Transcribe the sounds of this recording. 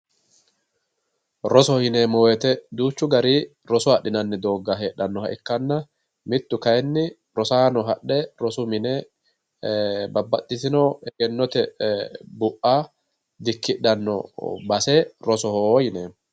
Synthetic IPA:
ɾɔsɔhɪneːmɔwɛt̪ɛd̪uːt͡ʃːʊɡɐɾiː | ɾɔsɔhɐɗːɪnɐnːɪd̪o̞ːɡːaɦeːᶑːɐnːɔhɐʔɪkːɐnːɐ | mɪt̪ːʊkɐjɛnːɪ | ɾɔsaːnɔɦɐɗːɛɾɔsʊmɪneː | bɐbːɐt̪ʼːɪsɪnoːɛɡɛnːɔt̪ɛ | bʊʔaː | d̪ɪkːɪᶑɐnːɔ̰bɐseːɾɔsɔhohɪneːm

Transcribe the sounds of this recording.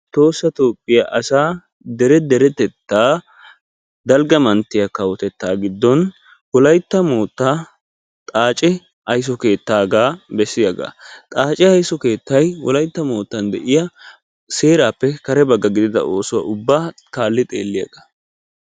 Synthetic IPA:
t̪o̞ːsːɐt̪o̞ːpʼːɪjɐʔɐsaː | d̪ɛɾɛd̪ɛɾɛt̪ɛt̪ːaː | d̪ɐlɡɐmɐnt̪ːɪjɐkɐwɔt̪ɛt̪ːaːɡɪd̪ːɔn | wɔlɐjt̪ːɐmo̞ːt̪ːaː | t̪ʼaːt͡ʃʼɪ | ɐjs̬ɔke̞ːt̪ːaːɡaːbɛsːɪjɐɡa̰ːt̪ʼaːt͡ʃʼɪɐjsɔke̞ːt̪ːɐjwɔlɐjt̪ːɐmo̞ːt̪ːɐnd̪ɛʔɪjɐ | se̞ːɾaːpːɛkɐɾɛbɐɡːɐɡɪd̪ɪd̪ɐ̰o̞ːsʊwa̰ʔʊbːaːkaːlːɪt̪ʼeːlːɪjɐ̰ɡɐ

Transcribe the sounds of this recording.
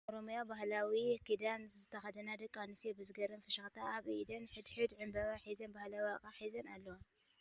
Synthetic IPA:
ʔoɾomjabaɦlawikʰid̪anzɨzɨt̪ʰɐxɐd̪ɐnad̪ɐkʼːanɨsebɨzɨɡɐɾɐnfɨʃɐxt̪ʰaʔːβid̪ɐnħɨd̪ħɨd̪ʕɨmbɐβaħizɐnbahlawakʼaħizɐnalːɐwa

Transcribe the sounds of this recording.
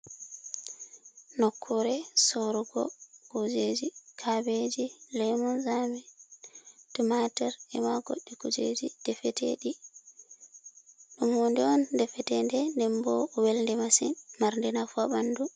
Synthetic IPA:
nɔkʰːɔɾɛsɔɾuɡɔ̰kud͡ʒed͡ʒikʰabed͡ʒilɛmɔnzamɛ | tumatɛɾɛmaɡɔ̰ɗːiɡud͡ʒḛd͡ʒid̥ɛfɛtʰḛɗi | ɗumwɔndɛɔndɛfɛtɛndɛndɛmbɔwɛlndɛmasinmaɾndɛnafuabandu

